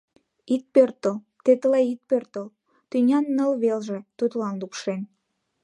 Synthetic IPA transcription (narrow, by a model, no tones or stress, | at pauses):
it̪̚pørt̪əl | t̪et̪əleit̪̚pørt̪əl | t̪ynʲɑnːəlβelʒĕt̪ut̪lɑnlukʃen